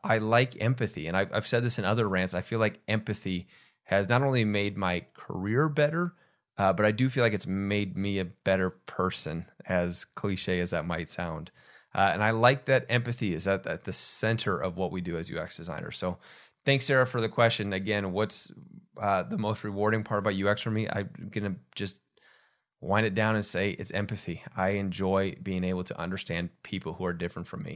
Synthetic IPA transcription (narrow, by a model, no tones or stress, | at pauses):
ʔaɪlaɪkʰɛ̰̃mpɨθḭɨ̰̃naɪva̰ɪv̥sɛd̪̚ðɪsɨ̃nʌðə˞ɹæ̃ntsaɪfilaɪkʔɛ̃mpɨθi | ɨznəɾõʊ̃nlimeɪd̚maɪkʰə̰˞ɪɹbɛɾə˞ | ʔbʌɾaɪdɨfilaɪkɨtsmeɪd̚miɨb̥ɛɾə˞pʰɜ˞sɨ̰̃nɨz̥kʰl̥iʃeɪɨzðɨt̚maɪtsã̰ʊ̃nd̥ | ʔʌɨ̰̃naɪlaɪk̚ðɨɾɛ̃mpɨθiɨzðɨt̪̚ðɨ̰t̪̚ðɨsɛ̃ntʰə˞ʔʌvwʌʔ̚widɨɨzjʉ̰ɛ̰ksd̥ɨzãɪ̃nə̰̥˞soʊ | θæ̃ŋksɛɹɨfə˞ðɨkʰw̥ɛst͡ʃɨ̃nɨɡɛ̃nwʌtsʌðəmoʊst̚ɹɨwɔɹɾɪ̃ŋpʰɑɹɾʌbaʊt̚jʉɛksfə˞miʔa̰ɪɡʌnɨ̥d͡ʒ̥ʌs | wʔãɪ̃ndɨt̚d̥ãʊ̃nɨ̃nseɪʔɨ̰tsɛ̰̃mpɨθia̰ɪɨ̃nd͡ʒɔɪbiɪ̃ŋeɪbl̩ˠtʰə̰ʔʌ̰̃ndə˞stæ̃npʰipl̩ˠhuə˞dɪfɹɨ̃ntfɹʌ̃mḭ